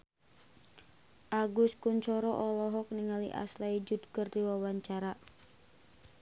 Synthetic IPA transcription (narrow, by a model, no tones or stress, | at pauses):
ʔaɡuskuɲt͡ʃɔɾɔʔɔlɔɦɔk̚niŋalḭʔa̰slaid͡ʒud̪̚kərdiwawaɲt͡ʃaɾa